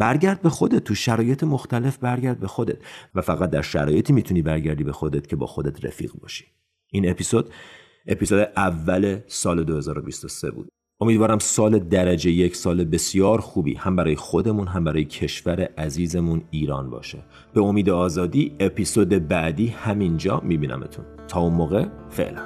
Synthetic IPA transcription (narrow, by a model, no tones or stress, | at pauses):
b̥æɾɟæɾd̪̚be̞xo̞d̪e̞t̪̚ʰːuʃæɾɒːje̞t̪ʰemoxt̪æle̞fbæɾɟæɾd̪̚be̞xod̪e̞̰t̪væfæɣæt̪̚d̪æ̰ɾʃæ̰ɾɒːje̞t̪ʰiːmiːt̪ʰuniːbæɾɟæɾd̪iːbe̞xo̞d̪e̞t̪cʰe̞bɒ̰ːxo̞d̪e̞t̪ʰɾḛfḭːɣbɒ̰ːʃi̥ | ʔiːnepʰisod̪̥ | ʔepisoːd̪eʔævːæle̞sɒːle̞d̪ohe̞zɒːɾo̞bist̪o̞se̞̰bṵːd̪̥̚ | o̞mid̪vɒːɾæmsɒːle̞d̪æɾæd͡ʒejecʰsɒːlebe̞sijɒːɾxuːbḭːhæmbæɾɒːjexo̞d̪e̞munɦæmbæɾɒːjecʰe̞ʃvæɾeʔæziːze̞muniːɾɒːnbɒ̰ːʃe̞ | b̥e̞o̞miːd̪eɒːzɒːd̪iːepʰisoːd̪ebæd̪iːhæmind͡ʒɒ̰ːmibiːnʔæ̰mḛt̪ʰṵn | t̪ʰɒːunmoːɣe̞fe̞̰ʔlæn